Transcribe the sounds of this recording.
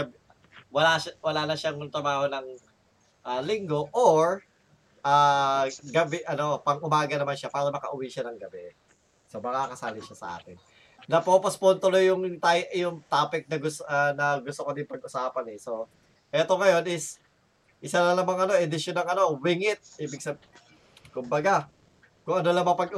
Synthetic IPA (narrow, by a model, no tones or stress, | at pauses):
b | wɐlawɐlaːnɐʃaŋʊŋt̪ɾɐbaːho̞nɐŋ | ʔalɪŋɡo̞ʔoɹ | ʔaːɡɐbɛʔɐno̞pɐŋʔʊmaːɡɐnɐmanʃapaːɾɐmɐkɐʔʊwiʃanɐŋɡɐbɛ | so̞mɐkakɐsaːlɪʃasɐ̰ʔa̰ːt̪ɪnː | ɐpopɐspont̪ʊlojːʊŋt̪ajjʊŋt̪aːpɪk̚nɐɡʊsanɐɡʊst̪okɐd̪ɪmpɐɡ̚ʔʊsaːpɐnɛso̞ | ʔɛːt̪o̞ŋɐjo̞nɪs | ʔɪsalɐlɐmɐŋʔɐno̞ʔɪd̪ɪʃjonɐŋɐno̞wɪŋɪt̪̚ʔiːbɪɡ̚sɐb̚ | kʊmbɐɡa | kʊŋʔɐno̞lɐŋmɐpɐɡ